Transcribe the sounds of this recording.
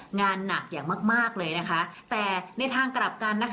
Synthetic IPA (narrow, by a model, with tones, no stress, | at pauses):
ŋaː˧nːa˨˩k̚jaː˨˩ŋmaː˥˩k̚maː˥˩k̚lɤː˧jna˦˥kʰa˦˥t̪ɛː˨˩na˧jt̪ʰaː˧ŋkɾa˨˩p̚ka˧nːa˦˥